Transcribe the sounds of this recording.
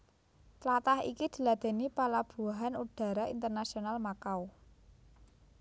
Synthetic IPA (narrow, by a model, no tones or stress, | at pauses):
t͡ʃlat̪ahḭkid̪̥i̤lad̪̥e̤nipalab̥uaɦanuɖ̥a̤ɾaint̪ərnasionalmakaw